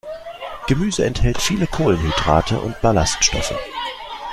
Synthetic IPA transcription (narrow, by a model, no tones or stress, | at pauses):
ɡ̥əmyːzəɛnthɛltfiːləkʰoːlənhidʁa̰ːtʰəʔʊ̰ntb̥alastʃtɔ̰fə̰